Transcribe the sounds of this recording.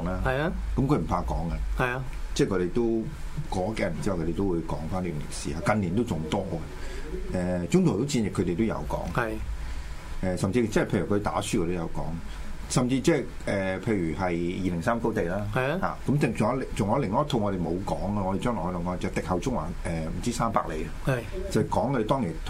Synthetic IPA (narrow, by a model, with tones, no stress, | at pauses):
ŋlaː˥hɐ˨jkɐ˨˦mkʰɵ˧˥m̩˨˩pʰaː˧kɔ̰ː˨˥ŋɐ˧ɐ˨jt͡sɛː˥˩kʰɵ˧te˨˩jt̪o˥w | kɔː˨˥kɛː˧˩˨i˥˨wkʰte˨˩t̪o˥wu˨˧jkɔː˨˥ŋfaː˥nlyː˨˧˨ŋlɪ̰˨˩k̚sḭː˨haː˧kɐ˨nliː˨˩nt̪o˥wt͡sʊ˨˩ŋt̪ɔː˥ɐ˨ɛː˨˧t͡sʊ˥ŋt̪ʰʊ˨˩t̪o˥wt͡siː˧njɪ˨˩kʰːɵ˧t̪e˨jt̪o˥wjɐ̰˨˧wkɔ̰ː˨˥ŋɐ˨j | ʔɛː˨˧sɐ˨mt͡siː˧t͡sɛ˥˨pʰjy˨˩kʰɵ˧t̪a̰ː˨˥syː˥kʰɔ˧t̪jɐ˨˧wkɔ̰ː˨˥ŋ˨ | sɐ˨mt͡siː˧t͡sɛː˥˨ | ɛː˨pʰe˧jɥyː˨˩ɦɐ˨jjiː˨lɪ˨˩ŋsaː˥mko˥wt̪e˨jlaː˥ha̰ː˨˩kɐ˨˥mt͡sɪ˨ŋt͡sʊ˨˥lt͡sʊ˨ŋɔː˨˥lɪ˨ŋɔː˨˥jɐ˥t̪ʰo˧wŋɔ˨˧ɾe˨˩jmo˨˧wkɔː˨˥ŋɛ˧˨ɔ˧ɾe˨jt͡ʃœː˥ŋlɔ˨˩hɔ˧lːkɔː˧˥˧t͡sɛ˨t̪ɪ˨k̚hɐ˨wt͡sʊ˥ŋ̚wa̰ː˨˩ʔɛː˨˩m̩˨˩t͡siː˥saː˥mpa̰ː˧k̚lḛ˨˧j | t͡sɐ˨kɔː˨˥ŋkʰːɔ˧le˨˧t̪ɔː˥ŋjiː˨˩nt̪ʰ